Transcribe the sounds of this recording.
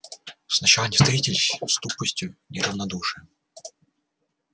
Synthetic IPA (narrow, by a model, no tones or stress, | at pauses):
snɐt͡ɕalˠɐnʲɪst̪ɐitʲɪlʲst̪upəsʲtʲjʊnʲɪrɐvnɐd̪uʂɨjə